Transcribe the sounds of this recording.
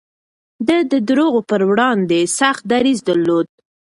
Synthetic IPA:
d̪əd̪əd̪ɾoɣopəɾwɽɑnd̪esaxt̪̚d̪aɾizd̪əɾlod̪̚

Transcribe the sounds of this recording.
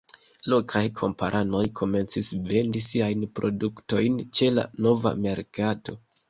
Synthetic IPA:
lo̞kʰajkʰo̞̰mpaɾʔano̞jkʰo̞me̞nt͡sisve̞ndisiajnpɾo̞̰dukto̞jnt͡ʃe̞la̰no̞va̰me̞ɾkato̞

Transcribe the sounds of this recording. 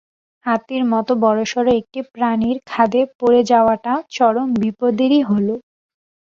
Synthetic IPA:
hat̪iɾmɔt̪obɔɾoʃɔɾoek̚ʈipɾaniɾkʰad̪epoɾed͡ʑaoaʈaot͡ɕɔɾombipod̪iɾiɦolo

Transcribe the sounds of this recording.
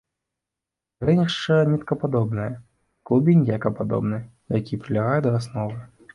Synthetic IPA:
ɾɛnʲɛʂt͡ʂɐnʲɛt̪kɐpad̪ɔbnɨjɐ | klˠubʲinʲjakɐpad̪ɔ̰bnɨj | jakʲipɾʲilʲaɣajud̪ɐɾasnɔvɨ

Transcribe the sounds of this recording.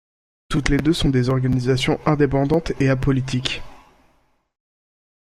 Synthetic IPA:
t̪ut̪led̪øsɔ̃d̪ezɔʁɡanizasjɔ̃ɛ̃d̪epɑ̃d̪ɑ̃t̪eapɔlit̪ikʲ

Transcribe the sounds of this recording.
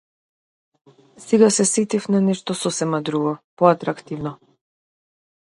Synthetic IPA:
sɛɡasɛsit̪ifnanɛʃt̪ɔsɔsɛmad̪ɾuɡɔpɔat̪ɾakt̪ivnɔ

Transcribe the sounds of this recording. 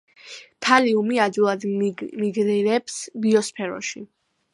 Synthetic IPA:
p̪ʰaliumiad͡ʒ̪ilˠad̪miɡɾiɾɛpsbiɔspʰɛɾɔ̰ʃi

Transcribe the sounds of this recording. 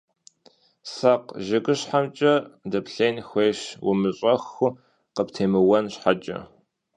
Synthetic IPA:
saqʒɪɡʼɨɕħamt͡ʃʼɐdɐpɬeːnxʷeːɕwʊmɨɕʼɐxʊ | qəptʰeːmɨwɐnɕħat͡ʃʼɐ̰

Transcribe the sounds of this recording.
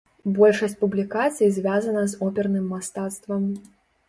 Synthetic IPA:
bɔlʲʂɐsʲt͡sʲpublʲikat̪sɨjizʲvʲazɐnɐzɔpʲɛrnɨmːast̪at̪st̪vɐm

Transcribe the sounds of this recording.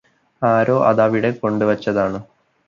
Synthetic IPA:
aːɾo̞ːʔɐ̰ðɐʋiɽe̞ko̞ɳɖɨʋɐt͡ɕːɐðaːɳɨ

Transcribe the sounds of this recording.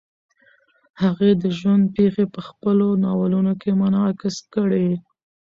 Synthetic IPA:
haɣed̪əʒwand̪̚pexepəxpəlonɑwalunokemanɑkɪskəɽe

